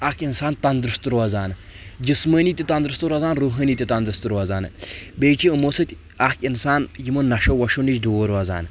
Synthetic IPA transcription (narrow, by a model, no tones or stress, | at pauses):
akʰinsaːnt̪ɐnd̪ɾɨst̪ɾuɐzaːnɨd͡ʒisməːniːt̪ʲit̪ɐnd̪ɾɨst̪uɾɐzaːnɾuːɦɐːniːt̪ʲit̪ɐnd̪ɾɨst̪ɾuɐzaːnɨbeːt͡ʃiɨmosɐt̪ʲ | akʲinsaːnjimunnɐʃoːʋɐʃunid͡ʒd̪ooːɾɐza̰ːnɨ